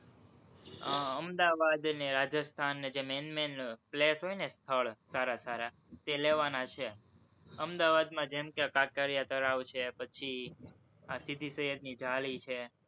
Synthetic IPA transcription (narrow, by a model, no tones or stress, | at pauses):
aəmd̪aʋad̪neɾad͡ʒəst̪ʰanːed͡ʒemenmenplesɦojnest̪ʰəɭsaɾasaɾa | t̪eleʋanat͡ʃʰe | əmd̪aʋad̪mãd͡ʒemkeakakaɾijat̪əɾaʋt͡ʃʰepət͡ʃʰi | asid̪ʱisəɦəd̪nid͡ʒalit͡ʃʰe